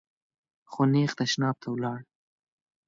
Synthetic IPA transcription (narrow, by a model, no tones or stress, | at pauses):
xonexd̪aʃnɑb̚t̪ʰawlɑɽ